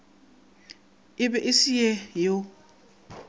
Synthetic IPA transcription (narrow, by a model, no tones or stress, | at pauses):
ɪɓɛʔisijɛjo